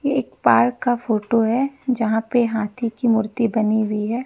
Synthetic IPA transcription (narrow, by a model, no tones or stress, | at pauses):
jeːk̚paːɾkːafoːʈoɦɛd͡ʒɐɦãpeɦaːt̪ʰikimʊɾt̪ibɐniɦʊiɦɛː